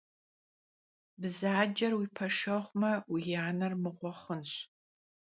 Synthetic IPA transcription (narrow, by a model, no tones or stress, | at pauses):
bzaːd͡ʒɐrwipʰɐʃɐʁʷmɐwijaːnɐrmɨʁʷɔχənɕ